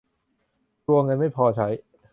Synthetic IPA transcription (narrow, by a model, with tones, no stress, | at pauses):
t̪u˧ɐŋɤ˧nma˥˩jpʰɔː˧t͡ɕʰa˦˥j